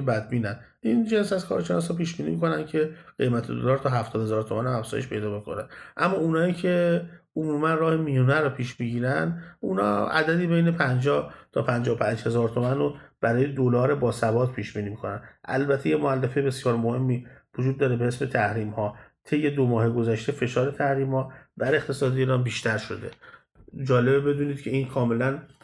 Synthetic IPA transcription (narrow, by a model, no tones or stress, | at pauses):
bæd̪̚biːnæn | ʔind͡ʒensæzkʰɒ̰ːɾʃenɒːs̬hɒpiːʃbiːniːmiko̞næncʰe̞ɢ̥ejmæt̪ʰed̪o̰lɒːɾt̪ʰɒɦæft̪ʰɒːd̪hezɒːɾt̪ʰomænæmæfz̥ɒ̰ːje̞ʃpʰe̞̰jd̪ɒːbekʰo̰nænʔæmːɒunɒːiːcʰe̞omuːmænrɒːhe̞mijunæɾɔpʰiːʃmiɟiːɾænd̪unɒ̰æ̰d̪æd̪iːbejnepʰænd͡ʒɒːht̪ʰɒːpʰænd͡ʒɒːopʰænd͡ʒhe̞zɒːɾt̪ʰo̞mænob̥æɾɒːjed̪olɒːɾebɒːsæbɒːt̪pʰiːʃbiːniːmikʰo̞nænʔæ̰lbæt̪ʰejemoælːefejbe̞sjɒːɾmohe̞mːiːvod͡ʒuːd̪ːɒːɾebehe̞sbe̞t̪ʰæhɾiːmhɒːt̪ʰe̞jːe̞d̪omɒːheɡo̞zæʃt̪e̞fe̞ʃɒːɾe̞t̪ʰæhɾiːmhɒːb̪æɾe̞χt̪ʰe̞sɒːd̪eiːɾɒːnbiːʃt̪ʰæɾʃo̞d̪e̞̰ | d͡ʒɒːle̞bebe̞d̪uːniːd̪cʰe̞iːnkʰɒːme̞læn